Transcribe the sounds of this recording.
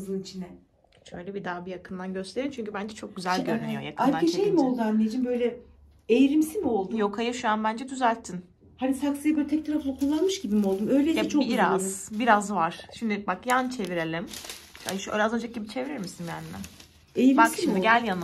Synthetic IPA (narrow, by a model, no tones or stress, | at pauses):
zɯlit͡ʃʰinɛ | ʃøjlʲɛbid̪aːbijakʰɯnd̪anɟøst̪eɾimt͡ʃʰyɲcybænd͡ʒɛt͡ʃʰo̞k̚ɟyzælʲɟøɾmijoja̰kʰɯaɾaeʃejmiolˠd̪uamlʲejed͡ʒimbø̞jlʲɛ | ejɾimsimio̞lˠd̪jokʰajaʃuanbænd͡ʒɛd̪yzælʲt̪ʰːin | hanisaksɯjabøt̪ʰɛc̚t̪ʰaɾaflˠakʰolˠːanmɯʃɟibimio̞lˠd̪umøjlʲeɛt͡ʃʰoiɾazbiɾazvaɾ̥ʃimd̪ibakjant͡ʃʰe̞viɾelʲima̰ʃø̰ɾazø̞nd͡ʒak̚ɟibit͡ʃʰe̞viɾiɾmisinbjæ̰nːæ̰ | ejbak̪ʃʃmimd̪iɡɟælʲjan